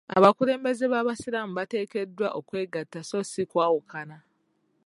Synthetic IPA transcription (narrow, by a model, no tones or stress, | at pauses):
a̰βakuɾe̞ːmbe̞zeβaːβasiɾamuβate̞ːke̞dːwaʔokwe̞ːɡatːaso̞sikwaːwukana